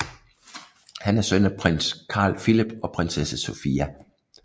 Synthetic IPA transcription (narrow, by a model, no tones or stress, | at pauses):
hænæɐsønæpʰʁen̰skʰɑ̰̈ːlfilib̥ɒ̽pʰʁensesæso̝fiːæ